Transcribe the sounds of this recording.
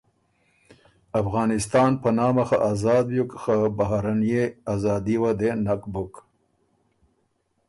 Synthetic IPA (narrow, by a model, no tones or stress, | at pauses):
afɣɑːnɪst̪ɑːnpənɑːmaxaʔazɑːd̪̚bjukxabaɦaɾanijeazɑːd̪iwad̪enakbʊk